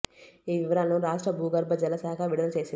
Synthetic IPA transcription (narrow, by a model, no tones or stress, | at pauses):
iːʋiʋɐɾaːnːuɾaːʂʈɾɐbʱuːɡɐɾbʱɐd͡ʒɐlɐsɐɦɐkʰaːʋiɽɐɐlt͡ʃeːsin